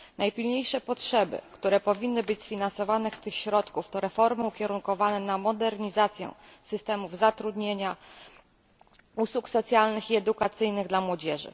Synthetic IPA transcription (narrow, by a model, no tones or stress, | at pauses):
najpʲilɲejʂɛpɔtʂɛbɘ̰kt̪uɾɛpɔvʲinːɘbɘt͡ɕʲsfʲinansɔvanɛst̪ɘxɕɾɔt̪kuft̪ɔɾɛfɔɾmɘukʲɛɾunkɔvanɛnamɔd̪ɛɾɲizat̪sʲjɛ̰̃sɘst̪ɛmuvzat̪ɾud̪ɲeɲa | uswuksɔt̪sʲjalnɘxiɛd̪ukat̪sɘjnɘɣd̪lamwɔd͡ʑɛʐɘ̰